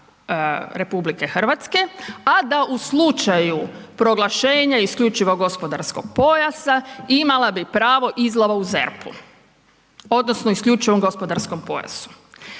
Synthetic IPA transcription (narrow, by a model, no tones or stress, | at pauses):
ɾe̞publike̞xr̩ʋat̪ske̞ad̪aʔuslˠut͡ʃajupɾo̞ɡlˠaʃe̞ːɲaiskʎʲut͡ʃiʋo̞ɡo̞spo̞d̪aɾsko̞ɡ̥̚po̞jasaimalabipɾaːʋo̞ʔizlˠaʋauzḛɾpʰṵ | o̞d̪nosnoiskʎut͡ʃiʋo̞mɡo̞spo̞d̪aɾsko̞mpo̞̰ja̰su̥